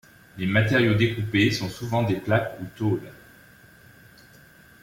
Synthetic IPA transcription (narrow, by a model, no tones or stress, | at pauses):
lemat̪eʁjod̪ekupesɔ̃suvɑ̃d̪eplakut̪ol